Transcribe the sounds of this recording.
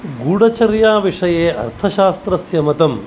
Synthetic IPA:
ɡuːɽɐt͡ʃɐɾjaːʋiʂɐjeːʔɐ̰ɾt̪ʰɐʃaːst̪ɾɐsjɐmɐt̪ɐm

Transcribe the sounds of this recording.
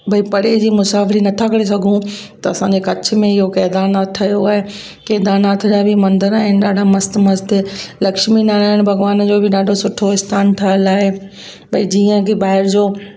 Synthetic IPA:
bʱɐipɐɽed͡ʑiːmʊsaːfɪlinɐt̪ʰakɐɽes̬ɐɡʱũ | t̪ɐɐsãɲd͡ʑekɐt͡ɕ̆ʰmẽɪɦokɛːd̪aːnat̪ʰɐjoaːɦe | kɛːd̪aːnat̪ʰd͡ʑabʱimɐ̃nd̪əɾaːɦɪnɪ̆ɗaːɖʱamɐst̪mɐzst̪lɐkʃminaːlaːɦɪñɪ̆bʱɐɡʋaːnd͡ʑoːbʱɪɗaːɖʱosʊʈʰoɪst̪ʰaːnt̪ʰɐəlaːɦe | bʱɐid͡ʑiːə̃kʰebaːɦɪɾd͡ʑoː

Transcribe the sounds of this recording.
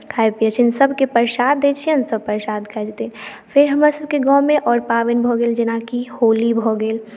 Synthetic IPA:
kʰaːepijət͡ʃʰinsəbʱkepəɾʃaːd̪ːet͡ʃʰiənsəb̚pəɾʃaːd̪kʰɐd͡ʒt̪infʰɪɾɦɐmasəb̚keɡɔːmẽʔɔːɾpaːʋɪnbʱoɡeːld͡ʒɪnakihoːlibʱoɡeːl

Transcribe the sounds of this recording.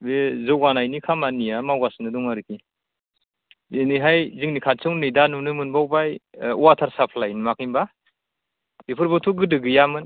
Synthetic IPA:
bezɯwɡanajnikʰamanijamawɡasnɯdɔŋaɾɯkʰi | iniɦajziŋnikʰatsɯŋnɯjdanunɯmɯnbawbajwatʰaɾsapʰlajnmakijmba | dipʰɯɾbatʰuɡɯdɯɡɯjamɯn

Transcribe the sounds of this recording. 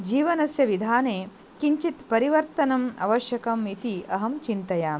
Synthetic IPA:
d͡ʒiːʋɐnɐsjɐʋid̪ʱaːneː | kiɲt͡ʃit̪pɐɾiʋɐɾt̪ɐnɐmɐ̰ʋɐʃjɐkɐmit̪iɐɦɐmt͡ʃint̪ɐjaː

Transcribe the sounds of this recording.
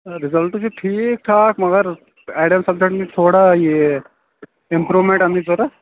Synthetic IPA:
ɾɪzɐlʈːt͡ʃʰiʈʰiːk̚ʈʰaːkmɐɡɐɾ | aːʈɐmsɐb̚d͡ʒekʈmit̪ʰoːɽaje | ɪmpɾuʋmeɳʈɐnd̪id͡ʒoːɾa

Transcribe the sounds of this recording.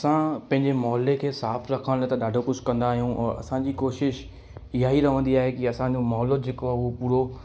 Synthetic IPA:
ɐsãpɐ̃ɦɪ̃ɲd͡ʑemɔːlekʰeːsaːfɾɐkʰəɽ̃t̪ɐɗaːɖʱokʊd͡ʑʱkɐ̃nd̪aːɦijũʔɛ̰ːɐ̰sãd͡ʑiːkoːʃɪʃ | ɪɦaɦiɾɐʋ̤ə̃nd̪iaːɦekiɐsãd͡ʑomɔɦlod͡ʑeːkoaʊɦopuːɾo

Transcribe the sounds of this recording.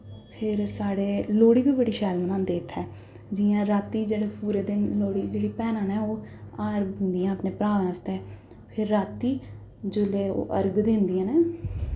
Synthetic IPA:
pʰɪɾsaːɽeːloːɽiːbiːbəɽiːʃɛːlmənãːd̪eːt̪ʰɦɛː | d͡ʒiːãːɾaːt̪iːd͡ʒeːɽeːpuːɾeːd̪ɪnloːɽiːd͡ʒeːɽiːpɛːnãːnɛ̃ːoːaːɾɡʊ̃nd̪ijãːəpneːpɾaːʋ̃ːst̪ɛː | pʰɪɾːaːt̪ːiː | d͡ʒʊleːo̰ːʔəɾɡd̪ɪnd̪iãːnɛː

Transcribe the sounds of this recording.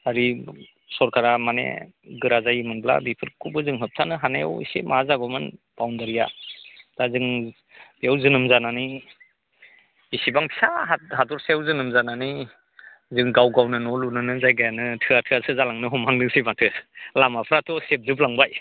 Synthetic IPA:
aɾi | sɔɾkʰaɾamanḛ | ɡɯɾazajimɯnbla̰bipʰɯɾkubɯzɯŋɦɯp̚tʰanɯɦanaja̰wḭsḛmazaɡɔmɯnb̥awndaɾijad̥azɯŋ | b̥iawzɯnɯmzanani | isibaŋpʰi̥saɦadɔɾsaawzɯnɯmzanani | zɯŋɡawɡawnɯnɔlunɯnɯzajɡajanɯtʰɯatʰɯasɯzalaŋnɯɦɔmʰaŋdɯŋsimatʰɯ̥lamapʰɾatʰɔsep̚zɯp̚laŋbaj

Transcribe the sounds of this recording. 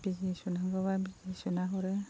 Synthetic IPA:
bizisunaɡɔβabizisunaɦɔɾɛ

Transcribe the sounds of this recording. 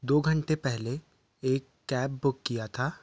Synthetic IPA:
d̪oːɡʱə̃ɳʈepɛɦle | eːkːɛːp̚bʊkːijat̪ʰaː

